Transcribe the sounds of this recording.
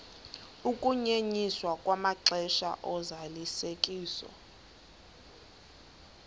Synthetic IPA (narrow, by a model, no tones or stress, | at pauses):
ukʼuɲeɲiswakʼwamaǁɛʃa̰ʔɔzalisekʼiːsɔ̰